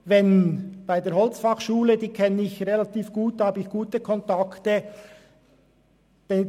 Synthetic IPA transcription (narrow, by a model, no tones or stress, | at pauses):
vɛnb̥aɪdeːɐɾhɦɔlt͡sfɑχʃuːlədiːkʰɛnəɪçrelɑt̪iːfɡ̥uːthɑːbəɪçɡ̥uːtəkʰɔntɑktə | d̥ɛ